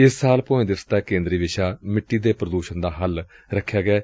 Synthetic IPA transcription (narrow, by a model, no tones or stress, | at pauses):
ɪsːaːlpoːẽːd̪ɪst̪aːkẽːnd̪ɾiːʋɪʃaːmɪʈːiːd̪eːpɾəd̪uːʃənd̪aːɦəl | ɾəkʰːjaːɡɛː